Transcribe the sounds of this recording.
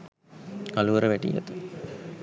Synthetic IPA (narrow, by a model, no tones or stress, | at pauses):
kɐluʋɐɾəʋɛʈḭjɐ̰t̪ɨ